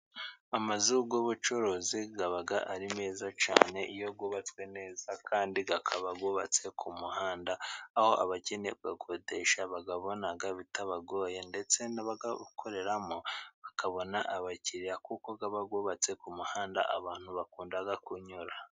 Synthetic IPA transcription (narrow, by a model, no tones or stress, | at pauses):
amazuɡoβut͡ʃoɾoziɡaβaɡaʔaɾimeːzat͡ʃa̰ːne̞ʔijo̞ɡoβat͡skwe̞ne̞ːzakʰaːndiɡakʰaβaɡoβat͡se̞kʰumuhaːndaːho̞ʔa̰βaceneɡakʰode̞ʃaβaɡaβo̞naɡaβitaβaɡo̞ːjende̞t͡se̞naβaɡakʰo̞ɾe̞ɾamoβakaβo̞naʔaβaciɾijakukoɡaβaɡoːβat͡se̞kumuhaːnda̰ʔaβaːn̥huβakuːndaɡakuɲuɾa